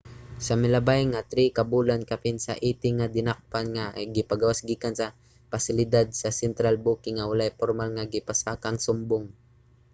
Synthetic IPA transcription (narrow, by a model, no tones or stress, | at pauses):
sɐmɪlɐbajŋat̪ɾikɐbuːlankɐpɪnsɐ̰ʔiːt̪ɪŋad̪ɪnak̚panŋaʔjɡɪpaɡawasɡiːkansɐ | pasɪlɪd̪ad̪̚sɐsɛnt̪ɾalbukɪŋawalajpoɾmalŋaɡɪpasakaŋsʊmbʊŋ